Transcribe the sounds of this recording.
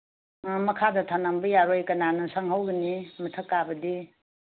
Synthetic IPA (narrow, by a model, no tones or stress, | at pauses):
mɐkʰadɐtʰanambɐjaɾojkɐnanɯsaŋɦawɡinimɐtʰəkːabɐdi